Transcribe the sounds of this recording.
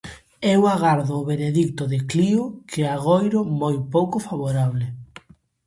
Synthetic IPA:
ewaɣaɾðʊːβeɾeðikt̪ʊðɪkliʊkʰɪaɣojɾʊmojpowkʊfaβoɾaβlɪ

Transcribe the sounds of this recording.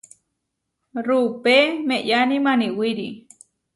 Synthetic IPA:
rupemẽjanĩmaniwiɾi

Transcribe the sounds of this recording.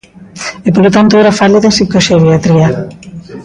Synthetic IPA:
epolot̪ant̪oeɾafaliðesikoseβjat̪ɾia

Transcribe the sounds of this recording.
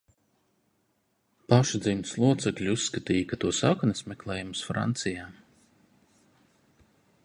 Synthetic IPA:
paʃd̪zinslˠuɔt̪sɛklʲusːkat̪iːjkat̪uɔsakɔnismɛklˠɛːjumsfɾa̰nt̪sijaː

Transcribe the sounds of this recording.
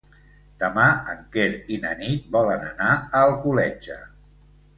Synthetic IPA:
d̪̥əmaəŋkeɾinə̰nit̪̚bɔlənənaəlˠkulɛd͡ʒə

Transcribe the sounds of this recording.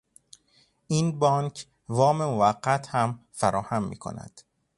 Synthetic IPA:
ʔiːnbɒːnkʰ | vɒːmemovæɢːæt̪ʰhæmfæɾʔɒːhæmːḭːkʰo̰næ̰d̪̥

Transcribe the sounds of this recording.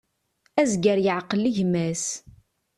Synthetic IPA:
æzɡəɾjəʕqəliʝmæs

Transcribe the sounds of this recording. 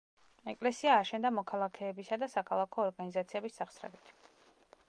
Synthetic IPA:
ɛkʼlɛsiaːʃɛnd̪amɔkʰalˠakʰɛːbisad̪asakʰalˠakʰɔːɾɡanizat̪sʰiɛbisːaχsɾɛ̰bit̪ʰ

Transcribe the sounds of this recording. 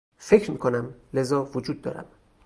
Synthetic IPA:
fecʰɾmiːkʰo̞næmle̞zɒːvod͡ʒuːd̪̚ːɒ̰ːɾæ̰m

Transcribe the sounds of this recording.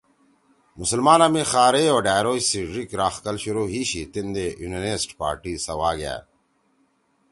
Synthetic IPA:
musəlmaːnamẽːxaːɾeoːɖaːjɾoːisiɖɾikɾaːxkɐlɕuɾoːɦiːɕit̪ind̪ejunenesʈpa̰ːɾʈiːsɐwaːɡja̰ː

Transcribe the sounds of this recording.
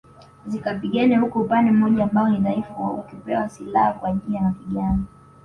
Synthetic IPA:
zikapiɠanɛhukupanɛm̩ɔʄaːmbaɔniðaifawa̰ukipɛwasilahakwaʄijamaviɠana

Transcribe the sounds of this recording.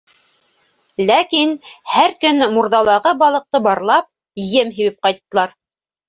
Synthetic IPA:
lækinhæɾkɵnmuɾðɑlˠɑʁɤbɑlˠɤ̆q̚t̪ɤbɑɾlˠɑp̚ | jɘmɦiβɘp̚qɑjt̪ːɤ̆lˠɑɾ

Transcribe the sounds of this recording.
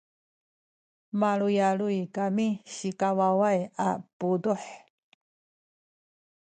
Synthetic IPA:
maɭujaɭujkamiɕikawawajapuduħ

